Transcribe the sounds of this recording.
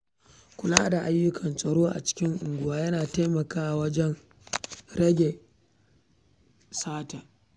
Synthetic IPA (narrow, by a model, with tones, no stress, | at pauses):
kʷʊ˨laː˦da˨ʔa˦jːʊ˦kʰɐ˨nsʼɐ˨ɽoː˦ʔa̰˨t͡ʃɪ̥˦kʲɪ˦ŋʔʊ˨ŋɡʷʊ˨waː˦jɐ˦naː˨ta˦jmɐ˨kaː˦ʔa˨wɐ˦d͡ʒɛ˦n | ɾɐ˦ɡʲe˨ | saː˦ta˨